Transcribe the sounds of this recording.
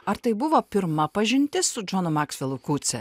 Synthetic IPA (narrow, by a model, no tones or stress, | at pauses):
ɐɾt̪ɐɪbʊʋoːpʲɪɾmɐpɐʒʲɪnʲt̪ʲɪsʊd͡ʒoːnʊmɑːksʲʋʲɛlˠʊkuːt̪sʲɛ̰